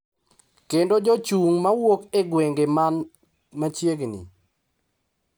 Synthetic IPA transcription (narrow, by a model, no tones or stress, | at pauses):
kendod͡ʒot͡ʃuŋmawokeɡweŋɡeman | mat͡ʃjeɡnḭ